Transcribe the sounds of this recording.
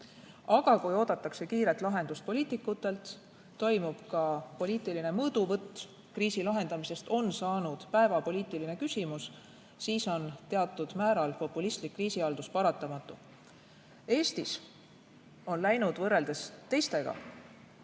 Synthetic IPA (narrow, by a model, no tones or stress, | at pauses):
ɑɡ̥ɑkujo̞ːd̪̥ɑt̪ːˑɑkse̞kiːɾe̞t̪ˑlɑɦe̞nd̪ust̪̚po̞liːt̪ˑikːˑut̪ːˑe̞lt̪ː | o̞jmub̥kɑpo̞liːt̪ˑiline̞mɤːd̪̥uvɤt̪ːˑ | kriːsilɑɦe̞nd̪ɑmise̞st̪o̞nsɑːnud̪̥pæe̞vɑpo̞liːt̪iline̞kysʲimus | siːso̞nt̪e̞ɑt̪ːˑud̪̥mæːɾɑlpo̞pːˑulist̪likːriːsiɑld̪̥uspɑɾɑt̪ːˑɑmɑt̪ːˑu | e̞ːst̪is | o̞nlæjnud̪̥vɤrːe̞ld̪̥e̞st̪e̞jst̪e̞ɡ̥ɑ̰